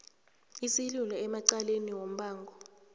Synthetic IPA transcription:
isilulɔɛmaǀaleniwom̩ɓaːŋɡʱɔ

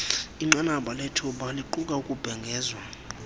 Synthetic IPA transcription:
iŋ͡ǀanaɓalɛtʰuɓaliǃukʼaukʼub̥ʱɛŋɡʱɛːzwa

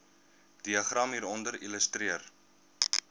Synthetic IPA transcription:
d̥iɐχrɐmɦiːɾɔndəɾiləstriər

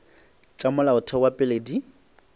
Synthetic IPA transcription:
t͡ʃʼamʊlaʊtʰɔwapʼɪledi

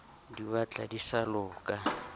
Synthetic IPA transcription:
diβat͡ɬʼa̰disalʊːkʼa

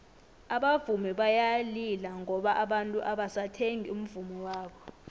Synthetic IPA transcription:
aɓavumiɓajalilaŋɔɓaʔaɓantʼuʔaɓasatʰeŋium̩vumiwaːɓɔ

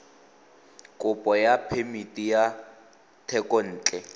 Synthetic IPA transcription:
kʼʊpʼɔjapʰemitʼija | tʰɛkʼɔn̩ːt͡ɬʼɛ

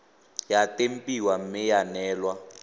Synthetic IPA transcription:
jatʼem̩pʼiwam̩mɪjanɛːlwa

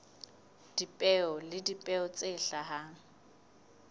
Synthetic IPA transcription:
d̥ipʼɛɔlɪdipʼɛɔt͡sʼeɬaɦaŋ̩

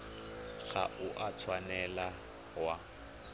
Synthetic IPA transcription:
ɣa̰ʔʊʔat͡sʰwanɛla | wa

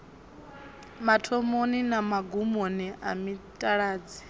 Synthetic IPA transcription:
matʰɔmoninamaɡumoniʔamitʼaɺaːd͡zi

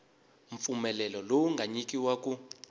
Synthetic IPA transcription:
ɱfumɛlɛlɔlowuŋɡʱaɲikʼiwaku

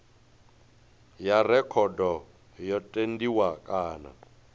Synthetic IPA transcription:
jarɛkʰɔdɔ | jɔtʼendiwakʼaːna̰

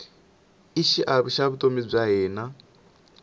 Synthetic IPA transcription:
iʃiʔaβuʃaβut̪ʼomib͡ʐʷaɦɛːna

